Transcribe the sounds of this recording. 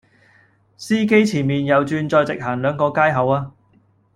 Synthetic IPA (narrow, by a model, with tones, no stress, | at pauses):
siː˥ke˥jt͡sʰiː˨˩nmiː˨˩njɐ˨˧wt͡ʃyː˧nt͡ʃɔː˧jt͡sɪ˨k̚ɦaː˨˩ŋlœː˨˧ŋkɔː˧kaː˥jɦɐ˨˧waː˧